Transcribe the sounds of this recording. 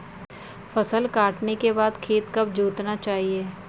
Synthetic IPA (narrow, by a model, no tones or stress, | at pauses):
fɐsəlkaːʈnekebaːd̪kʰeːt̪kɐbd͡ʒuːt̪nat͡ʃaːɦieː